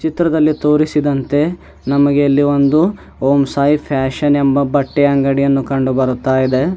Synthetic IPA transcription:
t͡ʃit̪ɾɐd̪ɐlːit̪o̞ːɾisid̪ɐnt̪e̞ | nɐmɐɡeɐlːio̞nd̪u | oːmsaːjipʰaːʃɐnembɐbɐʈːeɐŋɡɐɽijɐnːukɐɳɖubɐɾut̪ːaːjid̪e̞

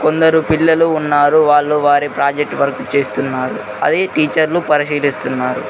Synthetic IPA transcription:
ko̞nd̪ɐɾupilːɐluːnːaːɾuʋaːɭːuʋaːɾipɾaːd͡ʒek̚ʈʋɐɾɐkut͡ʃe̞ːst̪unːaːɾu | ɐ̰d̪eːʈiːt͡ʃɐɾlupɐɾiʃiːlist̪unːaːɾṵ

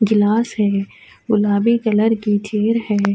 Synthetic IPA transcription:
ɡɪlaːsɦɛː | bʊlaːbikɐləɾkit͡ʃʰeːɾɦɛː

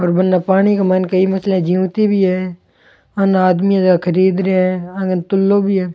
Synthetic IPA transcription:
ɔːɾbɐnːapaːɽ̃ikamaːnkɐimɐslẽd͡ʒiũt̪ibʱiɦɛ | ɐnaːd̪mijãd͡ʒkʰəɾiːd̪ɾeɦɛ̃ãɡənt̪ʊlːobʱiɦɛː

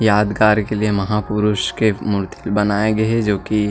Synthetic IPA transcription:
jaːd̪ɡaːɾkeliemɐɦaːpʊɾʊʃkemʊɾt̪ʰilbɐnaːeɡɐed͡ʒoːki

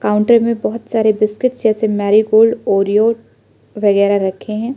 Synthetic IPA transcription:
kaːʊ̃ɳʈəɾmẽbɔɦʊt̪saːɾebɪskɪʈsd͡ʒɛːsemɛːɾiɡoːlɖɔːɾijoːʈ | ʋɐɣɛːɾaɾɐkʰːeɦɛ̃ː

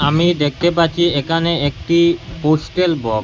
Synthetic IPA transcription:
amid̪ek̚t̪epatːɕʰiekʰaneek̚ʈiposʈelbɔk

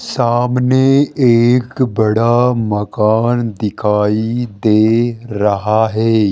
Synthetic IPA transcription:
saːmneeːkbɐɽamɐkaːnd̪ɪkʰaːid̪eːɾɐɦaɦɛː

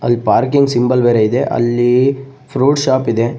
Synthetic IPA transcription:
ɐlːipaːɾkiŋɡsimbɐlʋeːɾeid̪e̞ʔɐ̰lːi | pʰɾuːɖʃaːpid̪e

